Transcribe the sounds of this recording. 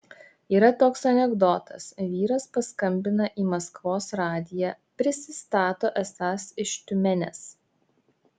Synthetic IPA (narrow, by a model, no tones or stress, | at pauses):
iːɾɐt̪oːksɐnʲɛɡd̪ɔt̪ɐ̰sʋʲiːɾɐspɐskɐmʲbʲɪnɐʔiːmɐskʋoːsɾɑːd̪ʲɪjæːpʲɾʲɪsʲɪst̪ɑːt̪oːʔɛsɑːsɪʃt̪ʲʊmʲɛnʲɛ̰s